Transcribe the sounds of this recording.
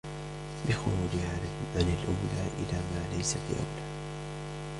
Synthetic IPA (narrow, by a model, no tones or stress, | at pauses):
bɪxʊɾuːd͡ʒʕanɪlʔʊmlaːʔɪ̰laːmaːlajsat̪ja̰wlaː